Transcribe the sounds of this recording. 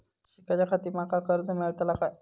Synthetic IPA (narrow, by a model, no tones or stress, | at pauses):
ɕikad͡ʑakʰat̪iːmakakəɾd͡zəmeɭt̪laka